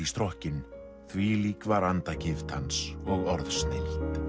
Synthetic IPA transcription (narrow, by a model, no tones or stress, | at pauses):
ist̪ɾɔhcɪn | θviliːkvaɾant̪acɪft̪hansɔɣɔɾðsnɪl̥t̪